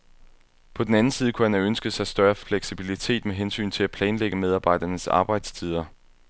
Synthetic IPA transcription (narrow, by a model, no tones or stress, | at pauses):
pʰɒ̽d̥enænn̩siːðˠəkʰuhænæønsɡ̥əð̩ˠsɑ̈ɪsd̥ɶɐfleɡ̥sib̥ilit͡sʰe̝̰ːd̥meɦensy̰ːnt͡sʰe̝læpʰlɛːnleɡ̥əmeð̞ˠɑ̈ːb̥ɑ̈ɪ̰d̥ɐnəsɑ̰̈ːb̥ɑ̈ɪd̥st͡sʰið̞ˠɐ